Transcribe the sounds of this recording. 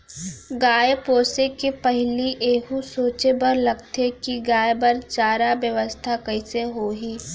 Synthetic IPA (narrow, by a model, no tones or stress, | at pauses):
ɡaːjpoːsekepɐɦliʔeːɦusoːt͡ʃebɐɾlɐɡt̪ekiɡaːjbɐɾt͡ʃaːɾaʋjəʋəst̪ʰakɐɪseɦoːɦiː